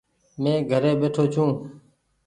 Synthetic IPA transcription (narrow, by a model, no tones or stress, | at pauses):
mẽːɡʱəɾeːɓeːʈʰoːt͡ʃʰũː